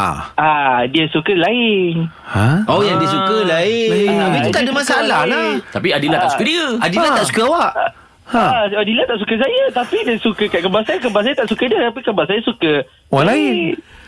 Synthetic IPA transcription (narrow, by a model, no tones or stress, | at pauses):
a̰adiəsukəlaɪŋ | haʔojaŋdiəsukəlaɪabiut̪adəmãsaalahnat̪apiadilat̪asukədiəadilat̪aʔsu̥kəawaʔ | aadilat̪aʔsukəs̬ajət̪apidiəsukəkaʔkəmbaʔsajəkəbaʔsajət̪aʔsukədiət̪apikəmbasajəsukə | walaɪn